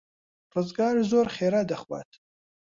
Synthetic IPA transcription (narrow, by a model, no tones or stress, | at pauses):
rɨzɡaːɾzoɾχeːɾad̪ɐχwa̰ːt̪ʰ